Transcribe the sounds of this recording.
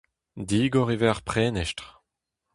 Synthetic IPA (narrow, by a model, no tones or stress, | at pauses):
d̪iːɡɔʁevɛʁpχɛːnɛʃtʁ